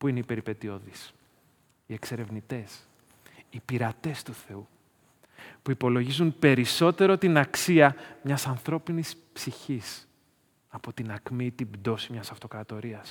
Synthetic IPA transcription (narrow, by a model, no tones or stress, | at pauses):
puineipe̞ɾipe̞t̪io̞ðis | ie̞kse̞ɾe̞vnit̪e̞s | ipiɾɐt̪e̞st̪uθe̞u | puipo̞lo̞ʝizunpe̞ɾiso̞t̪e̞ɾo̞t̪inɐksiɐmɲɐsɐnθɾo̞pinispsiçis | ɐpo̞t̪inɐkmit̪ibd̪o̞simɲɐsɐft̪o̞kɾɐt̪o̞ɾiɐs